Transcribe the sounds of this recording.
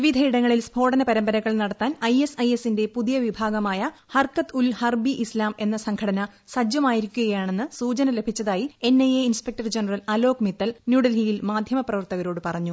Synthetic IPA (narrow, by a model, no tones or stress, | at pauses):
ʋiʋid̪ʱɐiɽɐŋːɐɭilsbʱo̞ːɽɐnɐpɐɾɐmbɐɾɐɣːɐɭnɐɽɐt̪ːaːnɐjesɐjesinde̞puðijɐʋibʱaːɡɐmaːjɐhɐrkɐt̪ulhɐrbiʔislaːme̞nːɐsɐŋɡʰɐɽɐnɐ | sɐd͡ʑjɐmaːjiɾikʲːuɣɐjaːɳe̞nːɨsuːt͡ɕɐnɐle̞bʱit͡ɕːɐðaːjie̞nːɐjeinspek̚ʈɐrd͡ʑenɐrɐlɐlo̞ːkmit̪ːɐlnjuɽɐlɦijilmaːd̪ʱjɐmɐprɐʋɐrt̪ɐɣɐɾo̞ːɽɨpɐrɐɲːu